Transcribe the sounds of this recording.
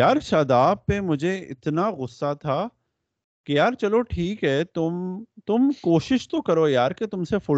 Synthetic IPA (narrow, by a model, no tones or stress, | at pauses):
jaːɾʃaːd̪aːpːemʊd͡ʒʱeɪ̰t̪naɣʊsːat̪ʰa | kejaːɾt͡ʃɐloʈʰiːkɦɛt̪ʊmt̪ʊmkoːʃɪʃt̪okɐɾoːjaːɾket̪ʊmsefʊ